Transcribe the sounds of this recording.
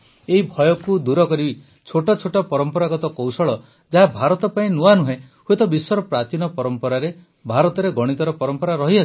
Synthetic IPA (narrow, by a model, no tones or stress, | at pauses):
eɦibʱɔjɔkud̪uɾɔkɔɾibi | t͡ʃʰoʈɔt͡ʃʰoʈɔpɔɾɔmpɔɾaɡɔt̪ɔkowsɔɭɔ | d͡ʒaɦabʱaɾɔt̪ɔpaĩnuanuɦẽ | huet̪ɔbiswɔɾɔpɾat͡ʃinɔpɔɾɔmpɔɾaɾe | bʱaɾɔt̪ɔɾeɡɔɽ̃it̪ɔɾɔpɔɾɔmpɔɾaɾɔɦiɔi̥